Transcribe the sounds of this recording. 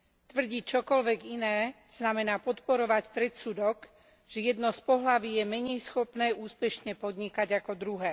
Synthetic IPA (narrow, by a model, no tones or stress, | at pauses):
t̪ʋr̩ɟiːt͡ʃɔkɔlʋɛɡinɛːz̥namɛnaːpɔt̪pɔɾɔʋacpɾɛt̪suːd̪ɔk | ʒ̥ɛjɛd̪nɔspɔɦlaʋiːjɛmɛɲɛjsxɔpnɛːʔuːspɛʃɲɛpɔd̪ɲikaɟakɔd̪ɾuɦɛː